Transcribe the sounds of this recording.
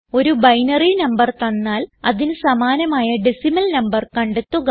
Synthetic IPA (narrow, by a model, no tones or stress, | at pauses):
o̞ɾubɐjnɐrinɐmbɐrt̪ɐnːaːlɐðinɨsɐmaːnɐmaːjɐɖisimɐlnɐmbɐrkɐɳɖut̪ːuɣɐ